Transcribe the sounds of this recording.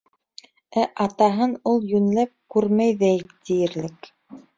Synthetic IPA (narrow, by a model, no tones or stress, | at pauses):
æʔɑt̪ɑɦɤnulˠjɵ̆nlæp̚kʉɾmæjðæjt̪ijɘ̆ɾlɘk